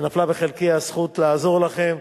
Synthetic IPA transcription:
naflabeχelkiasχutlaːzo̞ʁlaχe̞m

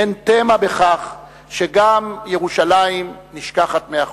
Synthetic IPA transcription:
ent̪emabeχaχ | ʃeɡamjeʁuʃalajimniʃkaχat̪meaχ

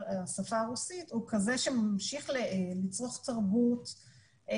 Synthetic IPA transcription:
asafaːʁusithukazeʃemamʃiχlelit͡sʁoχtaʁbut

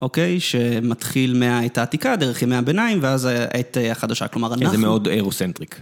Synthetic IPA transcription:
ʔo̞ke̞jʃe̞mat̪χilmeaetaːtikad̪eʁeχjemeabe̞naimveazʔeteaχadaʃa̰klo̞maʁanazemeo̞deʁosent̪ʁik

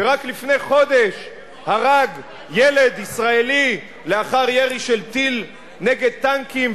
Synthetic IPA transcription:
veʁaklifne̞jχo̞d̪e̞ʃ | haʁaɡ | jele̞d̪isʁaeli | leaχaʁjeʁiʃelt̪il | neɡe̞d̪̚t̪aŋkim

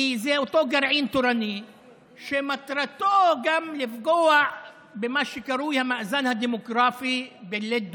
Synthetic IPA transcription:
zet̪ˤoːɡaɾʕiːnt̪uɾani | ʃemat̪ɾˤat̪oːɡamlɪfɡowaʕ | bɪmaʃɪkaɾuːjamaʔzanhad̪imʊɡɾaːfibɪlːed̪

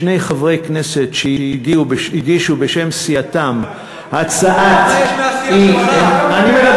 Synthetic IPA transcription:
ne̞jχavʁejkne̞setʃeiiɡiubeʃiɡiʃubeʃe̞msiat̪am | hat͡saʔat̪ianimela

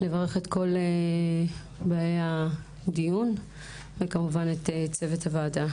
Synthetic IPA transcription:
levaʁe̞χetko̞le | baːjea | dijun | vekamuvanetet͡se̞vethavaːda

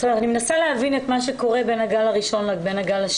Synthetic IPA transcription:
aanimenasaleavinetmaʃeko̞ʁebenhaɡalaʁiʃo̞nabe̞naɡala

